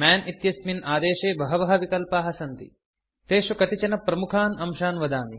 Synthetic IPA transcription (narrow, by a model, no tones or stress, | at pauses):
maːnit̪jɐsminaːd̪eːʂeːbɐɦɐʋɐɦɐ̆ʋikɐlpaːɦɐsɐnt̪ḭ | t̪eːʂɐkɐt̪it͡ʃɐnɐpɾɐmukʰaːnɐmʃaːnʋɐd̪aːmi